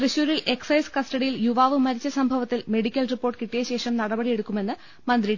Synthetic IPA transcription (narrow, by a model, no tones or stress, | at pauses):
krɨɕuːɾilʔe̞ksɐjskɐsʈɐɽijiljuʋaːʋɨmɐɾit͡ɕːɐsɐmbʱɐʋɐt̪ːilme̞ɽikʲːɐlripːo̞ːrʈːɨkiʈːijɐɕe̞ːʂɐmnɐɽɐbɐɽije̞ɽukːume̞nːɨ | mɐnd̪ri